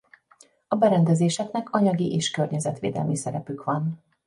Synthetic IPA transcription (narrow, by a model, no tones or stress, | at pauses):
ɒbɛɾɛnd̪ɛzeːʃɛknɛkɒɲɒɡiʔeːʃkørɲɛzɛt̪ʋḛːd̪ɛ̰lmisɛɾɛpykʋɒn